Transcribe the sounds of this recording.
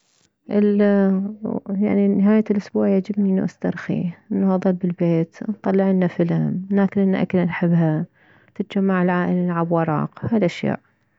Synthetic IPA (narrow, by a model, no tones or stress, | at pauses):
ʔɪl | ja̰ʕninɪɦaːjalʔʊsbuːʕjad͡ʒɪbniʔnːuʔast̪ɑɾˤxḭʔɪnːaɑðˤɨlbɪlbeːt̪nt̪ˤɑlːɪʕɪnːafɪlamlaːkɪnʔɪnːaʔa̰kɪlanħɪbːɦa | t̪ɪt̪̚d͡ʒamːaʕɪlʕaːʔɪlalʕabwɑɾˤɑ̰ːqhaːlʔaʃja̰ːʔ